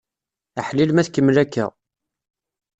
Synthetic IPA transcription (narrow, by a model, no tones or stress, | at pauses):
aħlilmæθkəmːlækːæ̰